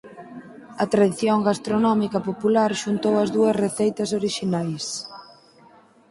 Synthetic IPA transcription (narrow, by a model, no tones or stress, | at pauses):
ɐt̪ɾaðiθjoŋɡast̪ɾonɔmikɐpopulaɾʃunt̪owɐzðuɐsreθejt̪ɐsoɾiʃinajs